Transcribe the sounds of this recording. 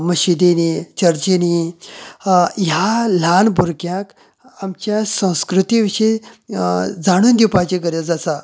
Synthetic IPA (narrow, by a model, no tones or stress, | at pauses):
məɕid̪enit͡ɕəɾt͡ɕeni | jal̤anbʱuɾkjãk | amt͡ɕjasə̃w̃skɾut̪iʋiʂəe | d͡zaɽ̃uːnd̪iwpat͡ɕeɡəɾjad͡zasa